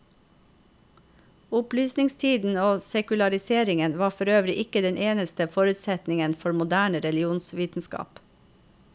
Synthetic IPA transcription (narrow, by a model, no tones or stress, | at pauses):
ʊplyːsnɪŋst̪ʰiːd̪n̩oːsɛkʉlɑɾɪseːɾɪŋənʋɑːfɔɾøːʋɾɪʔɪkəd̪ɛnʔeːnəst̪əfɔɾʉt̪sɛt̪nɪŋənfɔɾmʊd̪æːɳəɾɛlɪuːnsʋiːt̪n̩skɑ̰ːp